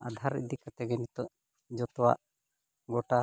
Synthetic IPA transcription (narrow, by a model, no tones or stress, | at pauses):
ad̪ʱaɾɛ̰ʔ̚d̪ikat̪ɛɡɛnit̪ɔʔ | d͡ʒɔt̪ɔwa̰ʔ | ɡɔʈa